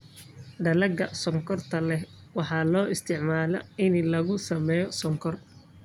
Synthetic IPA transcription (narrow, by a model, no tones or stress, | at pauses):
ɖɐlɐɡɐsɔŋkʰɔrt̪ʰɐlɛhwɑħɑːlɔːʔɪst̪ʰɪʕmaːlɐ̰ɪnlɐɣʊsɐmɛːjɔsɔŋkʰɔr